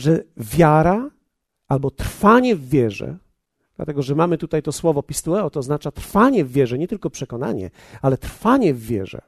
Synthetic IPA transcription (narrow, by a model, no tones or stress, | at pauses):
ʐɛvʲjaɾa | albɔt̪ɾfaɲɛvːʲjɛʐɛ̰ | d̪̥la̰t̪ɛɡɔʐɛmamɘt̪ut̪ajt̪ɔswɔvɔpʲist̪uɛɔt̪ɔːznat͡ʂat̪ɾfaɲɛvːʲjɛʐɛɲɛt̪ɘlkɔpʂɛkɔna̰ɲɛ̰ | alɛt̪ɾfaɲɛvːʲjɛ̰ʐɛ̰